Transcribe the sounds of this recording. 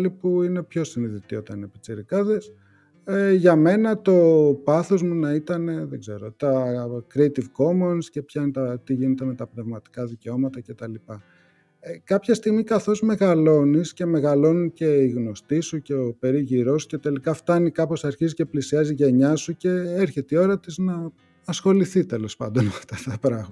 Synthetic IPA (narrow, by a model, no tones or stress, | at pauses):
lipuine̞pço̞siniðit̪io̞t̪ɐnepit͡siɾikɐðes | eʝɐme̞nɐt̪o̞pɐθo̞zmunɐit̪ɐne̞ðeɡze̞ɾo̞t̪ɐkɾiet̪ivko̞monsce̞pçɐinet̪ɐt̪iʝine̞t̪eme̞t̪ɐpne̞vmɐt̪i̥kɐðice̞o̞mɐt̪ɐce̞t̪ɐlipɐ | ekɐpçɐst̪iɣmikɐθo̞zme̞ɣɐlo̞nisce̞me̞ɣɐlo̞nice̞iɣno̞st̪isuce̞o̞pe̞ɾiʝiɾo̞sce̞t̪e̞likɐft̪ɐnikɐpo̞sɐɾçizice̞plisiɐziʝe̞ɲɐsuce̞eɾçe̞t̪eio̞ɾɐt̪iznɐ | ɐsxo̞liθit̪e̞lo̞spɐ̰nd̪o̞nmeɐft̪ɐt̪ɐpɾɐɣmɐ